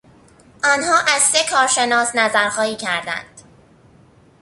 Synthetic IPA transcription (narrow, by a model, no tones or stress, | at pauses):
ʔɒːnhɒːʔæzse̞kʰɒːɾʃe̞nɒːsnæzæɾxɒːhiːcʰæɾd̪æ̰nd̪̥